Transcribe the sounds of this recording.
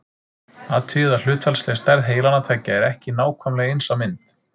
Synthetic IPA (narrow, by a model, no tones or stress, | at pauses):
at̪ʰʏðal̥ʏːt̪fɛlslest̪ɛɾðɦeːjlanat̪ʰaːcːaɛɾɛhcɪnaːwkʰvœmlɛɣejnsamɪnt̪